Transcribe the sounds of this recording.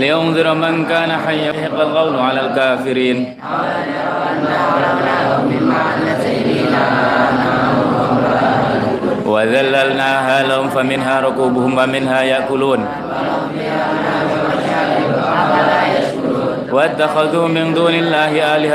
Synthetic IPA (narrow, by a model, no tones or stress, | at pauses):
ljʊmðˤʊɾmankaːnaħajːaħɪqːalqɑwlʕalaːlkaːfɪɾiːn | aaana | waðalːalnaːɦaːlahʊmfamɪnɦaːɾˤʊkuːbʊhʊmwamɪnhaːjaʔkʊluːn | wat̪ːaxaðuːmɪnd̪uːnalːaːhɪʔaːlɪha